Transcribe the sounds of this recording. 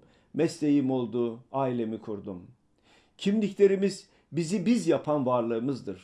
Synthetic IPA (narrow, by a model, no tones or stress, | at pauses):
mɛst̪e̞jimo̞lˠd̪uːaːilʲe̞mikʰuɾd̪um | cʰimlʲiclʲe̞ɾimiz | bizibizjapʰanvaɾlˠɯːmɯzd̪ɯɾ̥